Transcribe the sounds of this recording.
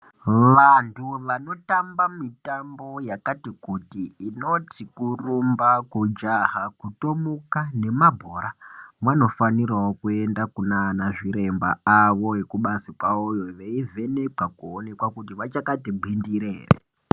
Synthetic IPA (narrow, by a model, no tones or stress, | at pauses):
ʋantʰuʋano̞tambamitambo̞jakatikutiːno̞tʰikurumbakud͡ʒaɦakuto̞mukane̞mabʱoːɾamwano̞faniraokue̞ndakunanaʐiɾe̞mba̰aʋo̞ekuɓasikwaojo̞ʋeivʱe̞ne̞kakuone̞kwakutiʋat͡ʃakatibʱindiɾeḛːrḛ